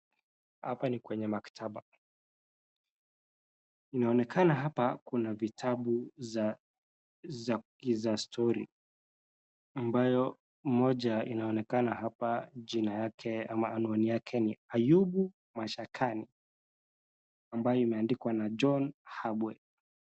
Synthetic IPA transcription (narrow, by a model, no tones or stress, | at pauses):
hapanikwɛɲɛmakḁtʰaɓa | inaɔnɛkʰanaɦapakunavitʰaɓu | izastʰɔɾḭ | ambajɔ | mɔʄainaɔnɛkanahapaʄinajakʰɛamaːnuanijakʰɛniajuɓu | maʃakʰani | ambajɔimɛandikwanad͡ʒɔnhaɓwɛ